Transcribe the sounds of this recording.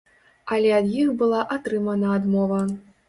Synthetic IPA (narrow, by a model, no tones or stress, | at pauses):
ɐlʲɛɐd̪jixbɨlˠaʔat̪ɾɨmɐnɐad̪mɔvɐ